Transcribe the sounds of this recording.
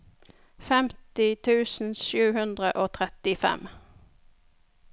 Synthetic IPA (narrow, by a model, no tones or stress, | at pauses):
fɛmt̪ɪt̪ʰʉːsn̩ʃʉːhʉnd̪ʁəʔoːt̪ʰʁɛt̪ɪfɛ̰m